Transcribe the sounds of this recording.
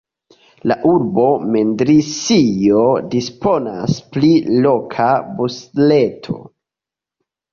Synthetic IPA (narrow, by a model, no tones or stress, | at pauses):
laʔuɾbo̞mendɾisijodispo̞na̰splilokʰabusle̞tʰo̞̰